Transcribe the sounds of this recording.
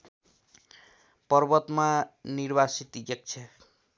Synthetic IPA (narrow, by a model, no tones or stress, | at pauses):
pɔɾbʌt̪maniɾbasit̪iɡek̚t͡ʃʰe